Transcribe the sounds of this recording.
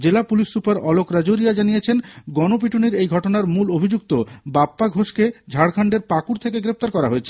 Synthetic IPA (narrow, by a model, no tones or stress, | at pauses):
d͡ʑelapulisːupaɾɔlokɾad͡ʑoɾijad͡ʑanijet͡ɕʰenɡɔnop̬iʈʰuniɾejɡʱɔʈonaɾmulobʱid͡ʑuk̚t̪obapːaɡʱoʃked͡ʑʱaɽkʰaɳɖeɾpakuɾt̪ʰekeɡɾep̚t̪aɾkɔɾaɦoet͡ɕʰe